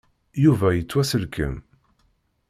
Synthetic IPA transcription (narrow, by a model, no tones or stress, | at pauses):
juvæjət͡sːwæsəlkʰə̰m